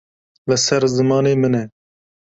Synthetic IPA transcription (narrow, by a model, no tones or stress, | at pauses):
lɛsɛɾzɨmɑːneːmɨnɛ